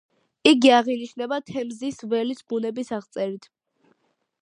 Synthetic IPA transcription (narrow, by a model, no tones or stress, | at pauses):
iɡiaʁiniʃnɛbat̪ʰɛmzisvɛlisbunɛbisaʁt̪sʼɛɾit̪ʰ